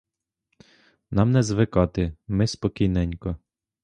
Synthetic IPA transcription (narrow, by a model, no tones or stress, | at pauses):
nɑmnɛzʋɪkɑt̪ɪmɪspɔkʲijnɛnʲkɔ